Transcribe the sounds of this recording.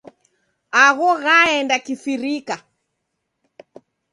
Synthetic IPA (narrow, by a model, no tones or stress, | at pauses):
aɣɔɣaɛndakiθiɾika